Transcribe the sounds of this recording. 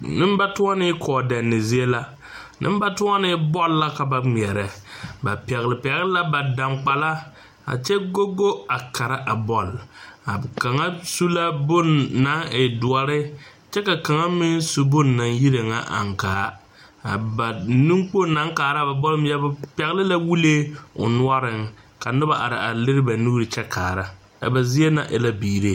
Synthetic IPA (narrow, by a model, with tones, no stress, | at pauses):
nɪ˦m˦ba˦tʊ˦a˦nɪ˦kʰɔː˨dɛ˨nːɪ˨zi˦e˦la˦ | nʔɨ̰˦m˦ba˦tʊ˦a˦nɪ˦bɔ˦lla˦ka˨ba˨ŋ͡mɛ˨ɾɛ˨ba̰˨pɛ˨ɣlɪ˨pɛ˨ɣɪ˦la˦ba˨da˨ŋ͡mk͡pa˨la˦ | a̰˨t͡ʃɛ˦ɡo˦ɡo˦a˨ka˨ɾa˦ʔa˨bɔ˦la̰˨ka˨ŋa˦su˦la˦bʊ˦nːa˦e˨dʊ˨a˨ɾɪ˦ | t͡ʃɛ˦ka˨ka˨ŋa˦mɪ˦nsu˦bʊ˦nːa˨nji˦ɾe˨ŋa̰˦˨ʔa̰˨ŋkaː˨˦ | a˨ba˨nũ˦ŋk͡po˦˨na˦ŋkaː˨ɾa˦˨ba˨bɔ˦lɪ˦m˦ja˦bpɛ˨ɣlɪ˦la˦wu˦le˦ʊ̰˨nʊ˦a˦ɾɪ˨ŋ | ka˨nʊ˦ba˦ʔa̰˨ɾɪ̰˨a˨lɪ˦ɾɪ˦ba˨nu˦ɾɪ˨t͡ʃɛ˦kʰaː˨ɾa˦ | a̰˨ba˨zi˦e˦na̰˨ʔɛ̰˨la˦biː˨ɾe˦